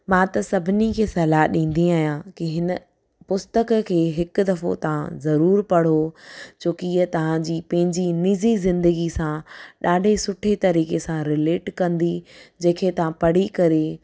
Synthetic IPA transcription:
mãːt̪ɐsɐbʱɪnikʰeːsɐːlaɦɗĩːn̆d̪iaːɦjãkiɦɪnə̆ | pʊst̪əkkʰeːɦɪkʊ̆d̪ɐfo̰t̪ɐʋ̤ãzɐɾuːɾpɐɽ̤ot͡ɕoːkiiːət̪ɐʋ̤ãd͡ʑiːpɐ̃ɦɪ̃ɲd͡ʑiniːzizɪ̃nd̪əɡisãɗaːɖʱesʊʈʰet̪ɐɾiːkesãɾɪleːʈkɐ̃nd̪id͡ʑɐ̃ːkʰet̪ɐʋ̤ãpɐɽ̤ikɐɾe

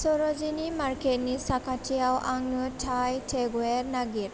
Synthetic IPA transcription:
sɔɾɔzinimaɾket̚nisakʰatʰijawʔaŋnɯtʰajtʰeɡwɛɾnaɡiɾ

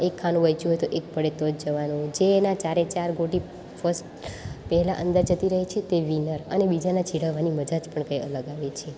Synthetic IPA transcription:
ekʰːanũʋəjt͡ʃuɦojt̪oʔek̚pəɽet̪od͡ʒd͡ʒəʋanũd͡ʒenat͡ʃaɾet͡ʃaɾɡoʈi | fʰəsʈpəɦɛlaʔənd̪əɾd͡ʒət̪iɾəɦet͡ʃʰet̪eʋinəɾə̰nebid͡ʒanat͡ʃʰiɽəʋːaniməd͡ʒad͡ʒpəɳkə̃jə̰ləɡaʋet͡ʃʰe

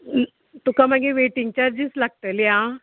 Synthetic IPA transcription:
t̪ukam̤əɡeʋeʈiŋɡ̚t͡ɕaɾd͡ʑislaɡ̚t̪əljã

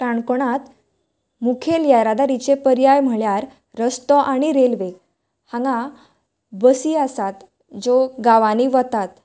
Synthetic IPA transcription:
ʈaɳkoɽat̪ | mukʰeljaɾad̪aɾit͡ɕepəɾjajm̤əɭjaɾː | əst̪ɔʔaɽ̃iɾelʋe | hãŋɡã | bəsiasat̪ | d͡zoɡaʋaniʋət̪at̪

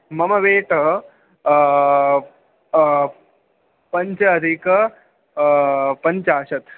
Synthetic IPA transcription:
mɐmɐʋeːʈɐ | pɐɲt͡ʃɐɐd̪ʱik | pɐɲt͡ʃaːʃɐt̪

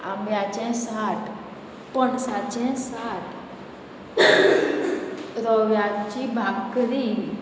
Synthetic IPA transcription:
amjat͡ʃɛ̃saʈ | pəɳsat͡ʃɛ̃saʈ | ɾəʋjat͡ʃibʱaɡkəɾi

